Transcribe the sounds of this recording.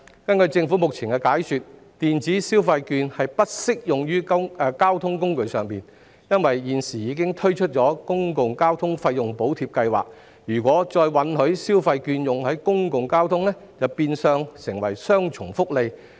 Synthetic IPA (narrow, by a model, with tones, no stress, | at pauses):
kɐ˥nkɵ˧ɥt͡sɪ˧ŋfu˨˥mʊ˨k̚t͡sʰi˨˩ŋkɛ˧kaː˨˥jsyː˨t̚ | t̪iː˨nt͡siː˨˥siː˥wfɐ˧jkyː˧nhɐ˨jpɐ˥t̚sɪ˥k̚jʊ˨ŋjyː˥kːkaː˥wt̪ʰʊ˥ŋkʊ˥ŋkɵ˧ɥsœː˨˩ŋpiː˨n | jɐ˥nwɐ˨jjiː˨nsiː˨˩jiː˨˧˥kɪ˥ŋt̪ʰɵ˥ɥt͡ʃʰɵ˥t̚t͡ʃɔː˨˥kʊ˥ŋkʊ˨ŋkaː˥wt̪ʰʊ˥ŋfɐ˧jːʊ˨ŋpo˨˥wt̪ʰiː˧p̚kɐ˧jwa̰ː˨k̚ | jyː˨˩kʷwʷɔː˨˥t͡ʃɔː˧jwɐ˨˥nhɵ˨˥ɥsiː˥wfɐ˧jkyː˧njʊ˨ŋhɵ˨˥ɥkʊ˥ŋkʊ˨ŋkaː˥wt̪ʰʊ˥ŋnɛ˥ | t͡sɐ˨wpiː˧nsœː˧ŋsɪ˨˩ŋwɐ˨˩jsœː˥ŋt͡ʃʰʊ˨˩ŋfʊ˥k̚le˧j